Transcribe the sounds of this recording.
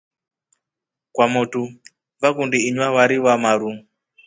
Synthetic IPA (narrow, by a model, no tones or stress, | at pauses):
kwamutu | vakundiːɲwawaɾiwamaɾu